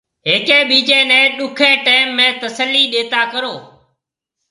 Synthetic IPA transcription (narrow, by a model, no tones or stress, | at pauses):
ɦeːkẽːɓiːd͡ʒẽːnɛ̃ːɗʊkʰẽːʈeːmːẽːt̪əsəlːiːɗeːt̪aːkəɾoː